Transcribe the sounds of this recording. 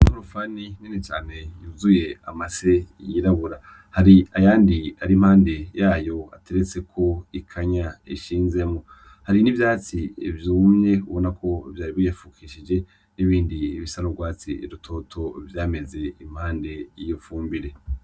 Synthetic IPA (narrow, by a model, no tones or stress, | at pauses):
oɾufaniɲenet͡ʃa̰ːn̥e̞juːzuje̞amase̞jiɾaβuɾa | haɾiajaːndiaɾim̥haːnde̞jaːjo̞a̰te̞ɾet͡se̞kʰo̞ikʰaɲaiʃiːnze̞mŋo | haɾinivjaːt͡sivjuːmɲe̞uβo̞nakʰo̞vjaːɾiβijafuːkʰiːʃid͡ʒe̞ | niβiːndiːβisaɾobɡwaːt͡sḭɾutʰo̞tʰo̞vjaːme̞ze̞im̥haːnde̞ijofuːmbiɾe̞